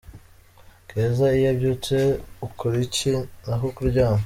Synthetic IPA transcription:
ɡ̥ezaijabɟut͡seukuɾicinaɦukuuɟaːno

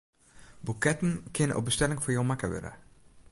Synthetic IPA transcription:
bukɛtənkɪnʔɔ̰bəstɛlɪŋfɔɹjomakəʋø̰ɾə̰

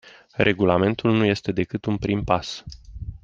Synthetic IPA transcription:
rʔe̞ɡulame̞nt̪ulnuje̞st̪e̞d̪e̞kɨt̪unpɾimpas

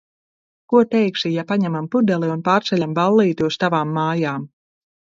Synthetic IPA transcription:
kuɔt̪ɛjkʃijapaɲɛmampud̪ɛlˠiunpaːɾt̪sɛlʲambalˠːiːt̪uɔst̪avaːmːaːjaːm

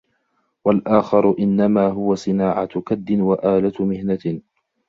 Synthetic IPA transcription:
walʔaːxɑɾˤʊʔɪnːamaːɦʊwasˤɨnaːʕat̪kad̪ːɪnwaʔaːlat̪mɪhna

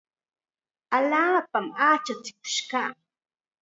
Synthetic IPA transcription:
aʎaːpamaːt͡ʃat͡sɪ̥k̚ʊ̥ʃkaː

